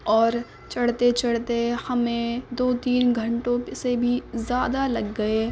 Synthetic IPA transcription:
ɔːɾ | t͡ʃɐɽt̪et͡ʃɐɽt̪ehɐmẽd̪oːt̪iːnɡʱɐ̃ɳʈõsebʱizjaːd̪alɐɡːɐeː

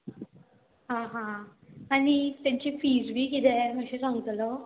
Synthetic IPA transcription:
ɦãɦãanit̪jaɲt͡ɕifid͡zbiːkit̪ɛməɕeɾãŋɡət̪lɔ

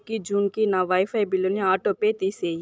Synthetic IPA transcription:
kid͡ʒuːnkinaʋaːjfaːjbɪlonĩaːʈopet̪ise

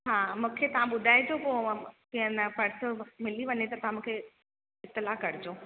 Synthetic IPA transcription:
ɦaːmũːkʰet̪ɐʋ̤ãɓʊd̪ʱaːid͡ʑopoːkiɦə̃nɐpɐɽsəmɪliʋɐɲet̪ɐt̪ɐʋãmũːkʰe | ɪt̪ːɪlakɐɽ̤ɪd͡ʑoː

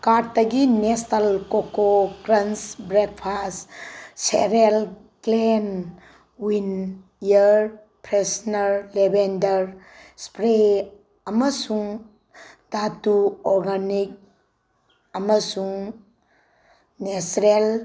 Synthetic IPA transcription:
kaɾ̚ɐɡinestalkokokɾɐnsbɾek̚pʰassḛɾel | klen | win | ijəɾ | pʰɾesnɐɾlebendɐɾ | spɾe | ɐmɐsuŋ | datuɔɾɡanik̚ | ɐmɐsuŋ | nesɾel

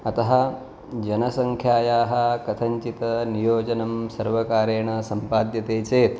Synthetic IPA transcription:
ɐt̪ɐɦɐ̆ | d͡ʒɐnɐsɐŋkʰjaːjaːɦɐ̆kɐt̪ʰɐɲt͡ʃit̪ɐnijoːd͡ʒɐnɐmsɐɾʋɐkaːɾeːɳɐsɐmpaːd̪jɐt̪eːt͡ʃeːt̪

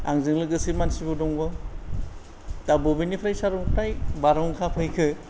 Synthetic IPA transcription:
a̰ŋzɯŋlɯɡɯsiɾmansibɯdɔŋɡɔ | dabɯbinipʰɾajsaɾɔŋpʰɾajbaɾɔŋkʰapʰɯjkʰɯ

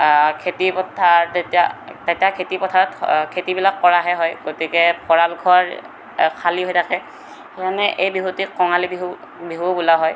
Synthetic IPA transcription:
kʰetipɔtʰaɹtetiatetijakʰetipɔtʰaɹɔtkʰetibilakːɔɹaɦɛɦɔjɡotikɛpʰɔɹalɡʱɔɹ | kʰaliɦojtʰakɛ | xekʰanɛʔejbiɦutikɔŋalibi | biɦubulaɦɔj

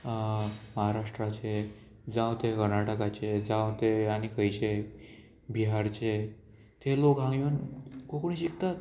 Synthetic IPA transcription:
məɦaɾaʂʈɾat͡ɕe | d͡zãwt̪ekəɾnaʈəkat͡ɕed͡zawt̪eañikʰəjt͡ɕe | biɦaɾt͡ɕe | t̪ʰelokɦãŋɡiənkokoɽĩɕikt̪at̪̚

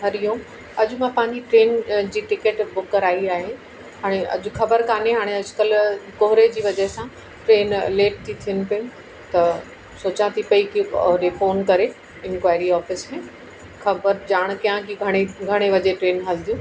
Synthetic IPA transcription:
ɦɐɾijõ | ɐd͡ʑʊmãpãɦɪ̃ɲd͡ʑiʈɾeːnd͡ʑiːʈɪkeːʈbʊkːɐɾaːiaːɦe | ɦaːɽ̃eʔɐ̰d͡ʑʊxɐbəɾkaːneɦaːɽ̃eɐd͡ʑʱʊkɐlkoɦʊɾed͡ʑiːʋɐd͡ʑɐɦɪsã | ʈɾeːnleːʈ̚t̪ʰit̪ʰijənɪ̆pɐʊ̃nɪ̆ | t̪ɐ | soːt͡ɕãt̪ʰipɐikḭɾefoːnkɐɾe | ɪ̃nkʋaːɪɾiɔːfɪsɦẽ | xɐbəɾd͡ʑaːɽ̃kijãkiɡʱɐɽ̃eɡʱɐɽ̃eʋɐd͡ʑeʈɾeːnɦɐld̪ijũː

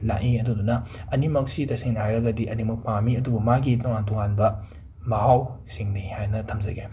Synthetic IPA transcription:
la̰ʔiɐdudunɐɐnimɐk̚sitɐseŋnɐhajɾɐɡɐdiʔɐnimɐk̚pamiɐdubɐmaɡitɔŋantɔŋanbɐ | mɐɦawsiŋnihajnɐtʰɐmzɐ̰ɡe

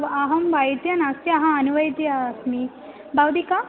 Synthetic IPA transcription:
ʋɐɦɐmbɐjt̪jɐnɐsjɐɦɐɐnuʋɐjt̪jɐsmi | bɐwd̪ika

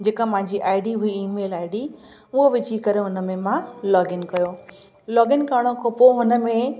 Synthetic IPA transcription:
d͡ʑeːkapɐ̃ɦɪ̃ɲd͡ʑiʔaːɪɖiɦʊiiːmeːlaːɪɖi | ʊɦoʋɪt͡ɕikɐɾeɦʊnə̆mẽmãlɔːɡɪnkɐjo | lɔːɡɪnkaːɽ̃okʰopoɦʊnə̆mẽ

